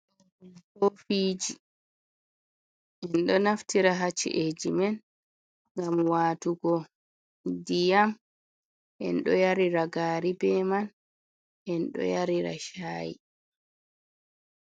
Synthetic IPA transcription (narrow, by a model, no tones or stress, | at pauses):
kofiːd͡ʒi | ʔɛnɗɔnaftiɾaɦat͡ʃːḭʔed͡ʒimɛn | ŋɡamwatuɡɔ | dijam | ʔɛ̰nɗɔjaɾiɾaɡaːɾibɛman | ʔɛnɗɔ̰jaɾiɾa̰ʃaːjḭ